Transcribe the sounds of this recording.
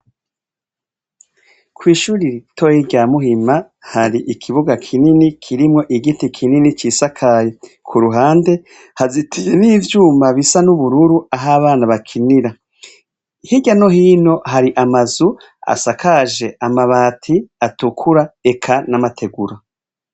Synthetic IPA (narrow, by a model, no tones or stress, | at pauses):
kwiːʃuːɾiɾitʰojiɟamuhima | haɾiʔikʰiβuɡakʰininikʰiɾimŋo̞ʔiɡitikʰininit͡ʃiːsakʰajekʰuɾuɦaːnde̞ | hazitʰijeniːvjuːmbaβisanuβuɾuɾuaɦaβaːnaβakʰiniɾa | hiɟano̞ɦiːno̞ɦaɾiʔamazu | a̰sakʰaʒe̞amaβaːtʰiatukʰuɾae̞kʰanamatʰe̞ɡuɾa